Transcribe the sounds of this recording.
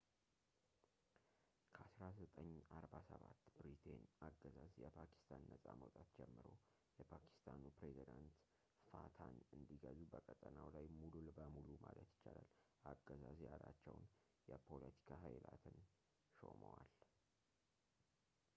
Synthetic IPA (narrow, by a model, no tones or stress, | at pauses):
kʰəasɾazət̪ʼəɲːaɾbasəβat̪ːbɾit̪ʰe̞naɡəzazjɛpʰakʰi̥st̪ʰanːəsʼaməwt̪ʼat̪d͡ʒɛmːɨɾo̞ | jɛpʰakʰi̥st̪ʰanupɾezid̪ant̪ | fat̪ʰanɨnd̪iɡəzubəkʼət̪ʼənawlajmululbəmulumalət̪jɪ̥t͡ʃːalalʔaɡːəzazjalat͡ʃːɛwn | jɛpʰo̞lət̪ʰi̥kʰaɦajlat̪ʰɨn | ʃoməwal